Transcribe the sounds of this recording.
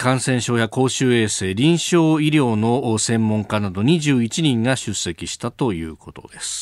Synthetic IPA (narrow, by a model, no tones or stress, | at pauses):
kãɰ̃sẽ̞ɰ̃ɕo̞ːjako̞ːɕɨːe̞ːse̞ːɾʲĩɰ̃ɕo̞ːiɾʲjo̞ːno̞sẽ̞mːõ̞ŋkanad̪o̞ɲ̟iʑɨːit͡ɕiɲ̟ĩŋɡaɕɨsːe̞kʲiɕi̥t̪at̪o̞jɯ̰ːko̞t̪o̞̰d̪e̞sɨ̥